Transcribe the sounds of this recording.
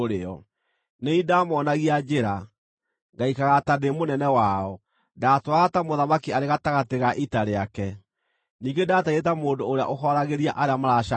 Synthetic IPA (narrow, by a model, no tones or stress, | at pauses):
ɾeɔ | neidamɔnaɣiad͡ʒeɾa | ŋɡaikaɣatademonɛnɛwaɔ | daːtwaɣatamoðamakiaɾeɣataɣateɣaʔitaɾeakɛ | niːŋɡedaːtaetamoːndoːɾea̰ʔoɦɔɾaɣeɾiaʔaɾeamaɾaʃa